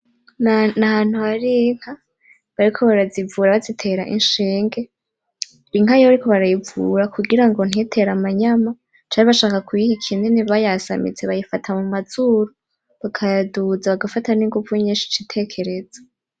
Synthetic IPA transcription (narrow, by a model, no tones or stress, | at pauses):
nahan̥huhaɾiŋ̥ha | βaɾikʰo̞βaɾazivuːɾaβazitʰe̞ɾaʔinʃeːŋɡe̞ | ɾiŋ̥ɦajoβaɾiko̞βaɾajivuɾakuɡiɾaŋɡo̞n̥hetʰe̞ɾamaɲama | t͡ʃaːɲiβaʃaːkakujihikʰineniβajasa̰mḭt͡seβajifatʰamumazuɾo | βakʰadud͡zaβaɡafataniŋɡuvuiɲiːnʃi̥t͡ʃitʰe̞ːkʰe̞ɾe̞zḁ